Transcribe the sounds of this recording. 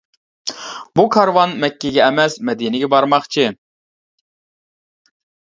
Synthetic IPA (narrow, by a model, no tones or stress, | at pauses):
bukʰɑɾwɑnmɛkʲːɛɡʲɛːmɛsmɛd̪inɪɡʲɛbɑɾmɑχt͡ʃʰɨ